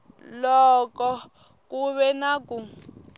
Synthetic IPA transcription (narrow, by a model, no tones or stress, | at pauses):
lɔkɔ | kuβɛnaku